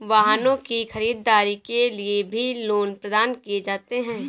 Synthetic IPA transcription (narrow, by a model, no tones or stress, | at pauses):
ʋaːɦnõkixɐɾiːd̪ːaːɾikeliebʱiloːnpɾɐd̪aːnkied͡ʒaːt̪eɦɛ̃ː